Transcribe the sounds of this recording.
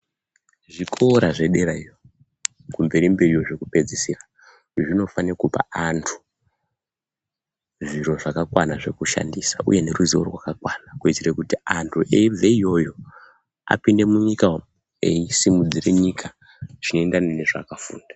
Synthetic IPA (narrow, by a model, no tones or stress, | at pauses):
ʐikʰo̞ːɾaʐe̞ɗe̞ɾaijo | kumbe̞ɾimbeɾijoʐe̞kupe̞d͡zisira | ʐino̞fanekupa̰antʰu̥ | ʐiɾo̞ʐakakwanaʐe̞kuʃa̰ndisa̰ṵje̞ne̞ruziorwakakwaːnakuitirekutiantʰuʔeveijo̞jo̞ | a̰pinde̞muɲika | ḛisimud͡zireɲikʰa | ʐ̥ino̞endaneneʐa̰kafṵːndḁ